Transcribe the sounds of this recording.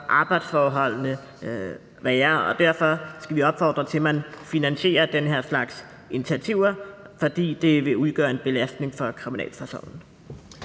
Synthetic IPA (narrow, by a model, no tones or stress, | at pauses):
ʔɑ̈ːb̥ɑ̈ɪd̥sfɒːɦɒ̽l̰nə | ʋɛːɐɒ̽d̥æɐ̰fɒ̽sɡ̥æʋiɒ̽b̥fɒ̰ːd̥ʁɐt͡sʰe̝lmænfinænɕe̝̰ːɐd̥enəɦeɐ̰slɑ̈ɡ̥s | ʔenit͡sʰiæt͡sʰiʊ̰ɐfɒd̥ḭːd̥e̝ʋe̝uðˠɡ̥œːɐe̝nb̥e̝læsd̥ne̝ŋfɒ̽kʰʁiminɛ̰ːlpʰæɐso̰ːnn̩